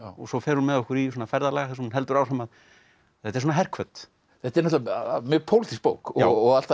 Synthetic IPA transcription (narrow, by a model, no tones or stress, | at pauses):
ɔsɔfɛɾhunmɛðɔhkʏɾisɔːnafɛɾðalɛɣaθɛsmhunɦɛlt̪ʏɾaːwsɛmað | θɛt̪ːɛ̥ɾsɔːnɦɛr̥kʰvœt̪ | θɛt̪ːɛɾnɔt̪lamʏpʰowlɪt̪ʰispo̰ːwkɔɔɣalt̪a